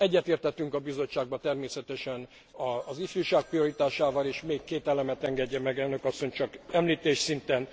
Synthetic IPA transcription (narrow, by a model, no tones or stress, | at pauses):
ɛɟːɛt̪eːrt̪hɛt̪yŋkɒbizo̞t͡ʃːaːɡ̚bɒt̪ɛrmeːsɛt̪ɛʃɛn | ɒzifyːʃaːk̚prijo̞ɾit̪aːʃaːvɒleːʃmeːkːeːt̪ɛlɛmɛt̪ɛŋɡɛɟːɛmɛɡɛnːø̞kɒsːo̞ɲt͡ʃɒkɛmliːt̪eːʃsint̪ɛn